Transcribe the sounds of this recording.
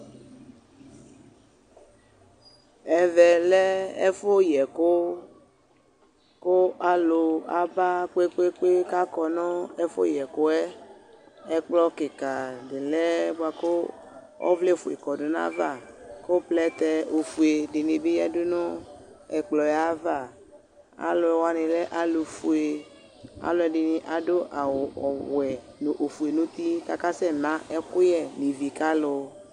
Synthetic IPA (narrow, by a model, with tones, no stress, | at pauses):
ɛ˨vɛ˨lɛ˦ɛ̰˦fo˦jɛ˨ko˦ | ko˦a˦lo˨a˦ba˦k͡pe˦k͡pe˦k͡pe˦ka˦kɔ˨nɔ̃˦ɛ˦fo̰˦jɛ˨ko˦ɛ˦ | ɛ˦k͡plɔ˦ke˨ka˨de˨lɛ˦bo˦a˨ko˦ | ɔ̰˦vle˦˨fu˨ḛ˨kɔ˨do˨nã̰˦va˦˨ko˦plɛ˦t̪ɛ˦o˨fu˨e˨ɖɪ˨nĩ˨be˦ja˨dʊ˦nʊ̃˦ɛ˨k͡plɔ˨jɛ˨a˦va˦˨ | a̰˨lo˨wa˨nẽ˨lɛ˦ʔa˦lo˨fu˨e˨ | a̰˨lo˦ɛ˨ɖɪ˨nĩ˨ʔa˨do˦ʔa˨wɔ˨wɛ˨nõ˨ʔo˨fu˨e˨nũ˦t̪i˦ka˨ka˦sɛ˦nã˦ɛ˦kʊ˦jɛ˦˨nĩ˨vi˨ka˦lo˦